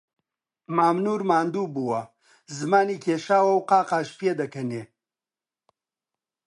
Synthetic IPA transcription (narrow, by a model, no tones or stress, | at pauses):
maːmnuːɾmaːnd̪ubuwɐ | zɨmaːnikʰeːʃaːwɐwqaːqaːʃpeːd̪ɐkɐne